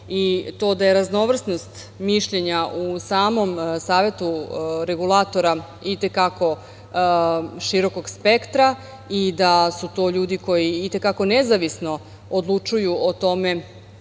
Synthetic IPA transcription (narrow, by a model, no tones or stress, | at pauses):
it̪o̞ːd̪ajeɾazno̞ʋr̩sno̞st̪ | miʃʎe̞ɲaʔusaːmo̞msaːʋe̞t̪uɾe̞ɡulˠat̪o̞ɾa | it̪e̞kako̞ | ʃiɾo̞ko̞ɡspe̞kt̪ɾa | id̪asut̪o̞ːʎuːd̪iko̞jiːt̪e̞kako̞nezaʋisno̞ | od̪lˠut͡ʃujuot̪o̞me̞